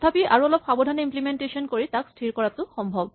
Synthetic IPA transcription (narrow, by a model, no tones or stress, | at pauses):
t̪ʰapiʔaɹuɔlɔpxabɔdʱanɔimplimentesɔnkoɹitakstʰiɹkɔɹat̪ʊxɔmbʱɔb